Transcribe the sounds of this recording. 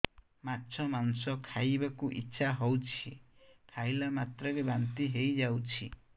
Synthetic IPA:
matːt͡ʃʰɔmansɔkʰajbakuʔḭtːʃʰaɦɔwt͡ʃʰikʰajlamat̪ɾɔɾebant̪iɦejd͡ʒawt͡ʃʰi

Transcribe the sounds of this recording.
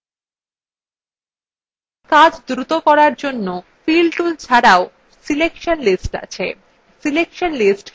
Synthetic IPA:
kad͡ʑd̪ɾut̪okɔɾaɾd͡ʑonːo | filɖʈult͡ɕʰaɾao | silekʃonlisʈa̰t͡ɕʰe | silekʃonlisʈ

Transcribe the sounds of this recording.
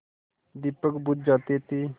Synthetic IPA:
d̪ipəkbut̪̚d͡ʒat̪et̪i

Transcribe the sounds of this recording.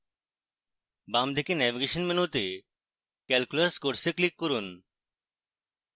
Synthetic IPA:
bamd̪ʱikenɛʋiɡeɕənminut̪e | kɛlkuləskoɽseklikːəɾuːn

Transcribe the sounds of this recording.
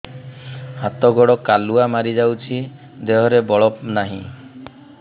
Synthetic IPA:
hat̪ɔɡɔɽɔkaluamaɾid͡ʒawt͡ʃʰi | d̪eɦɔɾebɔɭɔpnaɦḭ̃

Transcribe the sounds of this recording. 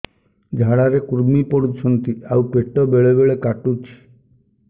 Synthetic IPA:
d͡ʒʱaɽaɾekuɾmipɔɾut͡ʃʰɔnt̪iawpeʈɔbeɭebeɭekaʈut͡ʃʰi̥

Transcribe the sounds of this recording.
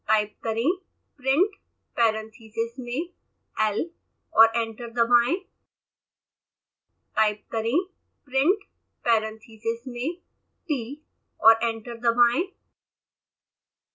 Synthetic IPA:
ʈaːɪp̚kɐɾẽ | pɾɪ̃ɳʈ | pɛːɾə̃nt̪ʰiːsɪsmẽ | ɛl | ɔːɾẽːɳʈəɾd̪ɐbʱaːẽ | ʈaːɪp̚kɐɾẽ | pɾɪ̃ɳʈ | pɛːɾə̃nt̪ʰiːsɪsmẽ | ʈiː | ɔːɾʔẽːɳʈəɾd̪ɐbʱaːẽ

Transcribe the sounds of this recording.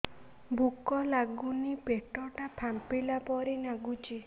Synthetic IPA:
bʱukɔlaɡunipeʈɔʈapʰampilapɔɾinaɡut͡ʃʰi

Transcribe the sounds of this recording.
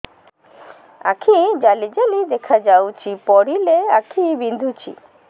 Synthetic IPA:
a̰kʰid͡ʒalid͡ʒalid̪ekʰad͡ʒawt͡ʃʰipɔɽileakʰibind̪ʱut͡ʃʰḭ

